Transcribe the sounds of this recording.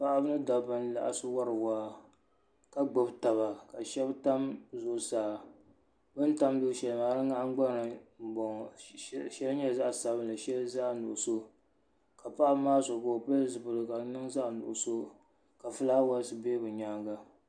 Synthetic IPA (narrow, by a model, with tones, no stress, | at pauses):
pa˦ʔa˦bɨ˦nɨ˦da˨bɨ˦n˦la̰˨ʔa̰˨sɨ˦wa˦ɾɨ˨waː˦ | ka˨ɡ͡bo˦bta˨ba˨ka˨ʃɛ˦bta˦mzʊ˨saː˨ | bɨ˦n˦ta˦mdʊ˦ʃɛ˨lmaː˨ɾɨ˦ŋa˦ŋ͡mɡ͡ba˦n˨ɨ˨m˨bɔ˨ŋ | ʃɛ˦lɲɛ˦za˦ʔsa˨bɨ˦n˨lɨ˨ʃɛ˦lza˦ʔnʊ˨ʔʊ˨so˦ | ka˨pa˦ʔa˦bmaː˦so˨ka˨pa˦zɨ˨bɨ˨lɨ˨ka˨nɨ˦ŋza˦ʔnʊ̰˨ʔʊ˨so˦ | ka˨fɨ˦laː˦wa˦lsɨ˨˦be˦bɨ˨ɲaː˦ŋɡa˦